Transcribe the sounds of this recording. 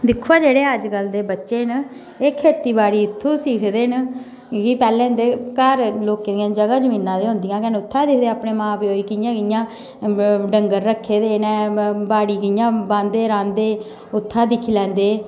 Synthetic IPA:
d̪ɪkʰuaːd͡ʒeːɽeːəd͡ʒɡəld̪eːbətːʃeːn | eːkʰeːt̪iːbaːɽiːɪt̪ʰːũːsiːkʰd̪eːn | kiːpɛːlẽːnd̪eːkəɾloːked̪ijãːd͡ʒəɡaːd͡ʒəmĩːnãːd̪eːɦʊ̃nd̪ɪjãːkɛːnʊt̪ʰːaːd̪ɪkʰd̪eːaːpɳeːmãːpiːoːiːkɪjãːkɪjãː | ɖəŋɡəɾːəkʰːeːd̪eːnɛːbaːɽiːkɪjãːbãːnd̪eːɾãːnd̪eː | ʊt̪ʰːaːd̪ɪkʰiːlɛ̃ːnd̪eː

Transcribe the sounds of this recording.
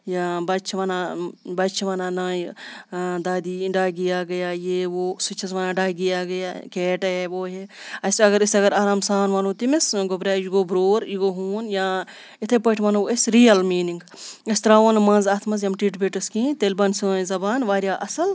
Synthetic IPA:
jãːbɐt͡ʃʰʋɐnaːbɐt͡ʃʰʋaːnaːnaːj | d̪aːd̪iːɖaːɡijaːɡɐjaːjeʋoːsut͡ʃʰɐsʋɐːnaːɖaːɡiaːɡɐjaːkeːʈɐeʋoːɦeɐsɐɡɐɾisɐɡɐɾaːɾaːmsaːnʋɐnuːt̪imɪsɡobɾʲaːjiɡoːbɾoːɾjiɡoːɦuːnjãː | ɪt̪ʰepɐʈʰʋɐːnoɐsɾijɐlmiːniŋɡ | ist̪ɐɾaːonmɐ̃nzaːt̪ʰmɐs̬jɐmʈiːʈbeʈɐskĩːt̪elbɐnsĩzɐbaːnʋaːɾjaːʔɐsɐl

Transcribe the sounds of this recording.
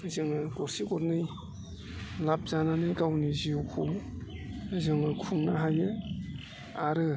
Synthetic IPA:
zɯŋɯɡɔɾsiɡɔɾnɯj | lap̚zananɯjkawnizijukʰuŋ | zɯŋɯkʰuŋnaɦajɯ | aɾɯ

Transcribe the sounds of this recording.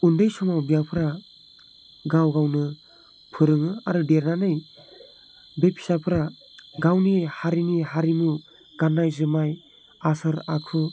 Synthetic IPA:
undɯjsɔmawbijapʰɯɾa | ɡawɡawnɯ | pʰɯɾɯŋɯaɾɯdeɾnanɯj | bepʰi̥sapʰɯɾa | ɡawnihaɾiniɦaɾimu | ɡ̥anːajzɯmaj | asɯɾakʰɯ

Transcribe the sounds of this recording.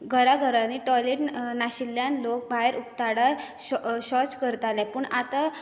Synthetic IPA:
ɡʱəɾaɡʱəɾaniʈɔleʈnaɕilːjãnlok̚baeɾʔupt̪aɽaɾ | ɕɔt͡skəɾt̪alɛpəɳat̪a

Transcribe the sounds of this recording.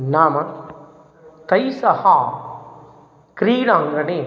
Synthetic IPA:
naːmɐ | t̪ɐjsɐhaː | kɾiːɽaːŋɡɐne

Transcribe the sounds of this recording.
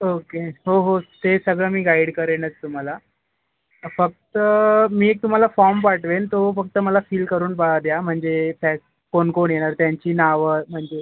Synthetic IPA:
okeɦoɦot̪esəɡɭəːmiːɡaiɽkəɾenət͡st̪um̤ala | fək̚t̪əmiːek̚t̪um̤alafɔɾmpaʈʰʋent̪ofək̚t̪əməlafiːlkəɾuːnpaad̪jam̤əɳd͡zefɛk | konkoɳjeɽ̃aɾt̪jaɲt͡ɕiːnaʋəm̤əɳd͡ze

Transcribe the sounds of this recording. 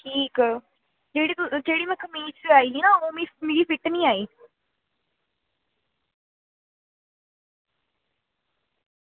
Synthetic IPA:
ʈʰiːkː | d͡ʒeːɽit̪ʊd͡ʒeːɽimɛ̃kʰəmiːt͡ʃeaːiːinaomimeːɾiːfɪʈnĩaːiː

